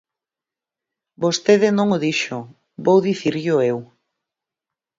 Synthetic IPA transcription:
bost̪eðɪnõŋʊðiʃʊ | bowðiθiɾʎʊew

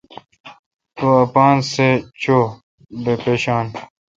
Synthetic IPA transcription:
t̪uɐpaːnset͡ɕʰoː | bepeːɕaːn

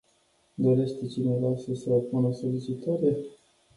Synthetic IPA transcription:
d̪o̞ɾe̞ʃt̪t͡ʃine̞vasəsəopunəso̞lit͡ʃit̪aɾe̞

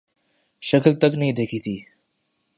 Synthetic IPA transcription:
ɕəkəlt̪əknid̪ekʰit̪iː

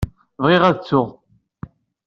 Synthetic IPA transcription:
vʁiʁæt͡sːʊʁ

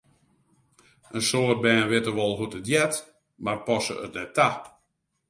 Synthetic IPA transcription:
ʔənsoːrt̚bɛːnʋɪtərʋɔlˠɦutətjɛt | marpɔsə̰ə̰tnɛtʰːa

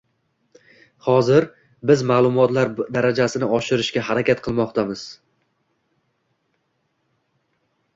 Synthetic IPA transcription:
hɒzɪɾ | bɪzmaːlˠʊmɒt̪laɾd̪aɾad͡ʒasɪnɪɒʃɪɾɪʃkʲaɦaɾakʲat̪qʰɨlˠmɒqt̪ʰamɪz̥

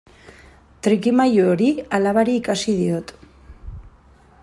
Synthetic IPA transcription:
t̪ɾikimajooɾialaβaɾiːkasiðiot̪

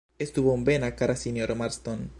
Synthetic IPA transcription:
est̪uβoumbenakaɾasinjoɾmaɾst̪on

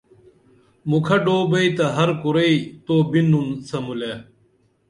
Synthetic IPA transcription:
mukʰɐɖoːbɐit̪ɐɦɐɾkuɾɐit̪oːbinunsɐmuleː

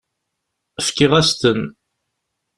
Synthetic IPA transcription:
fkɪʁæst̪ən

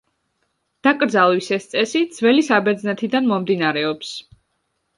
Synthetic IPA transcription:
d̪̥akʼɾd̪zalˠwisɛst̪sʼɛsid̪z̥vɛlisabɛɾd̪znɛt̪ʰid̪anmɔmd̪inaɾɛɔps

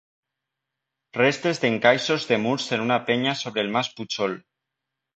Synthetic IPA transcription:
rest̪ezðeŋkajsozðemuɾsenunapeɲasoβ̞ɾelmasput͡ʃol

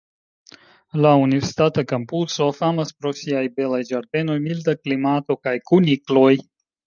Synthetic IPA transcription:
launiveɾsi̥t̪at̪akampuso̞famaspɾo̞siajbe̞lajd͡ʒaɾde̞no̞jmildaklimato̞kajkuniklo̞j

